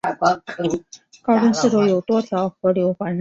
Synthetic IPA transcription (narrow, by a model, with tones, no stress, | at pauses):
a˥˩pɑ˥kʰɤ˧˥ŋkɑ˥ʊʈ͡ʂʊ˥ŋsɹ̩˥˩ʈ͡ʂo˧˥ʊjo˨˩ʊt̪wɔ˥t̪ʰjɑ˧˥ʊxɤ˧˥ljo˧˥ʊxwa˧˥nɻ